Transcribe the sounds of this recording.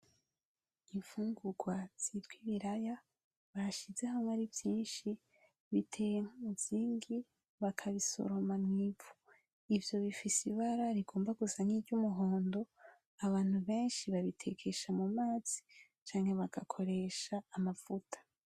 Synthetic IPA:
ivuːŋɡuɡwaz̥itɡwiβiɾaja | βaɾaʃizehamŋaɾivjiːnʃi | βitʰe̞jemuz̥iːŋɡi | βakʰaβiso̞̰ɾo̞mamŋivu̥ | ivjo̞βifisiβaɾaɾiɡo̞ːmbaɡuzaniːɾɟumuɦo̞ːndo̞ | aβaːn̥huβe̞ːnʃiβaβitʰe̞kʰe̞ʃamumaːz̥i̥ | t͡ʃaːŋhe̞βakakʰo̞ɾe̞ːʃaːmavutʰḁ

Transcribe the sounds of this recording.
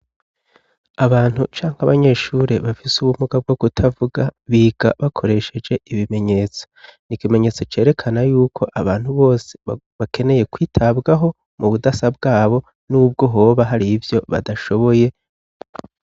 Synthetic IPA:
aβaːn̥hut͡ʃaːŋhaβaɲe̞ʃuːɾeβafisuβumuɡab̚ɡo̞bɡutʰavuɡaβiɡ̥aβakʰo̞ɾe̞ʃe̞d͡ʒe̞ʔiβime̞ɲe̞ːt͡so̥nikime̞ɲe̞ːt͡so̞t͡ʃe̞ːɾe̞kʰanajuːkʰo̞ʔaβaːn̥huβo̞ːse̞̥ | βakʰe̞ne̞je̞kwiːtʰabɡaɦo̞ | muβudasab̚ɡaːβo̞ | nuːb̚ɡo̞ɦo̞ːβaɦaɾivjo̞βa̰daʃo̞βo̞je̞

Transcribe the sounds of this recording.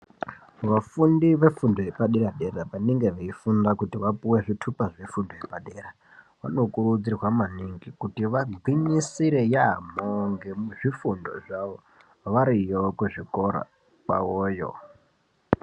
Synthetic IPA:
ʋafundiʋe̞fundojepaɗeɾaɗe̞rapaneŋɡe̞ʋeifundakutiʋapuwe̞ʐitʰupaʐefundojepaɗera | ʋa̰no̞kurud͡zirwamaniŋɡikutiʋaɡʱwiɲisiɾe̞ja̰moŋɡemuʐifundo̞̰ʐaʋo | ʋaɾijokuʐiko̞ɾa̰ | ka̰woːjo̰

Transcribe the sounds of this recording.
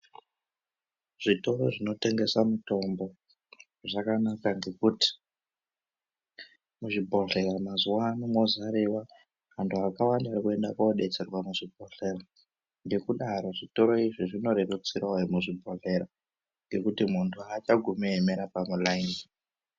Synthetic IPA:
ʐ̥ito̞ɾo̞ʐino̞te̞ŋɡe̞samuto̞mbo̞ | ʐakanakaŋɡe̞kuti̥ | muʐibʱo̞ɮe̞ɾamazuwanimozaɾiwa | ɦantʰuɦakawandaːɾikue̞ndakoɗe̞t͡se̞rwamuʐibʱo̞ɬe̞ɾa | ŋɡe̞kuɗaɾo̞ʐito̞ɾo̞iʐiʐino̞ɾerut͡sirwaemuʐibʱo̞ɮe̞ɾa | ŋɡe̞kutimuntʰuat͡ʃaɡʱumemeɾapamulain

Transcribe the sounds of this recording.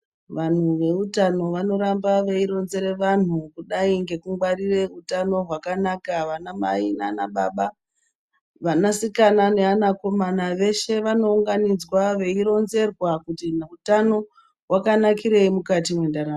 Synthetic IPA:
ʋan̤uʋe̞utano̞ʋano̞ɾambaʋe̞iɾo̞nze̞ɾe̞ʋan̤ukuɗaiŋɡe̞kuŋɡwaɾire̞utano̞ɦwakanakaʋanama̰inaːnaɓaɓa | ʋanasikanane̞anako̞manaʋe̞ʃe̞ʋano̞uŋɡanid͡zwaʋe̞iɾo̞nze̞rwakutinutano̞ | ɦwakanakiɾe̞imukatimwe̞ndaɾam

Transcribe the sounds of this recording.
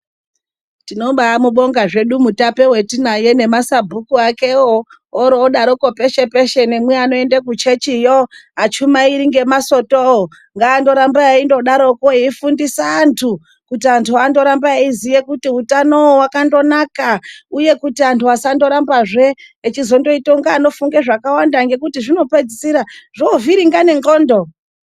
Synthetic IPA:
tino̞ɓaamuɓo̞ŋɡaʐe̞ɗumutape̞we̞tinaje̞ne̞masabʱukuake̞o | oɾoːɗaɾoko̞pe̞ʃe̞pe̞ʃe̞ne̞mweano̞e̞ndakut͡ʃe̞t͡ʃijoɦat͡ʃumaiɾiŋɡe̞maso̞too | ŋɡaːndo̞ɾambaaindo̞ɗaɾo̞koiifundisaːntʰu | kutiantʰuando̞ɾambaizijekutiutanowowakando̞nakauje̞kutiantʰuasando̞ɾambaʐe̞ː | t͡ʃizo̞ndo̞itoŋɡaːno̞fuŋɡeʐakawandaŋɡe̞kutiʐino̞pe̞d͡zisiɾaʐoviɾiŋɡane̞ŋɡoːndo

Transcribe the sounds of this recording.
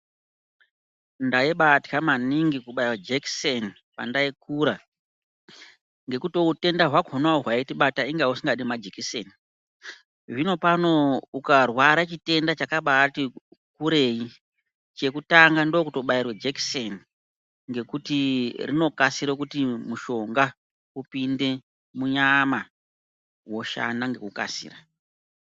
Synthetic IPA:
ndaiɓatkamaniŋɡikuɓairwad͡ʒekseni | pa̰ndaikuɾa | ŋɡe̞kuto̞ute̞ndaɦwaɡʱonaoɦwaitiɓataiŋɡausiŋɡaɗimad͡ʒikisḛni | ʐino̞pano̞ukarwaɾat͡ʃite̞ndat͡ʃakaɓati | kuɾe̞i | t͡ʃe̞kutaŋɡandokuto̞ɓairwed͡ʒekseni | ŋɡe̞kutirino̞kasiɾokutimuʃo̞ŋɡa | upinde̞ | muɲama | wo̞ʃa̰ndaŋɡe̞̰kuka̰sḭːra

